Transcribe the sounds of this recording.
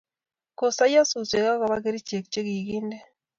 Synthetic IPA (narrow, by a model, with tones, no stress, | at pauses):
ko˨sa˦ja˦su˨t͡ʃe˨ɣa˦ɣa˨βaɣe˦ɾi˦t͡ʃe˨k̚t͡ʃe˦ɣi˨ɣi˦nde˦